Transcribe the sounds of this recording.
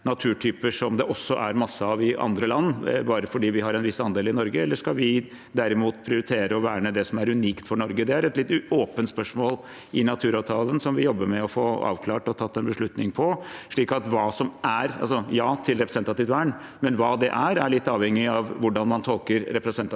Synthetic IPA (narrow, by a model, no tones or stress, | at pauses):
nɑt̪ʰʉːʈʰyːpəʂɔmd̪ɛʔɔsːɔʔæ̰ɾmɑsːəɑʋɪɑ̰nd̪ɾəlɑnːbɑːɾəfɔɖiːʋɪhɑɾɛnʋɪsɑnd̪eːlɪnɔɾɡəɛlːəʂkɑlʋɪ | d̪æɾɪmuːt̪pʰɾɪʊɾɪt̪ʰeːɾəɔʋæːɳəd̪ɛsɔmæɾʉniːkt̪fɔɳɔɾɡəd̪ɛæɾɛt̪lɪt̪ːoːpənt̪spœʂmoːl | ɪnɑt̪ʰʉːɾɑːʋt̪ʰɑːlənsɔmʋɪjɔbːəɾmɛɔfoːɑ̰ːʋkʰlɑːʈɔt̪ʰɑt̪ːɛnbəʂɭʉt̪nɪŋpʰɔʂɭiːkɑt̪ʋɑːsɔmæɾɑ̰lsɔjɑːt̪ʰɪlɾɛpɾəsɛnt̪ɑt̪ɪʋt̪ʋæːɳ | mɛnʋɑːd̪ɛ̰ʔæɾæɭɪt̪ːɑːʋhɛŋːɪɑʋʋʊɖɑnmɑnt̪ʰɔlˠkəɾɾɛpɾəsɛnt̪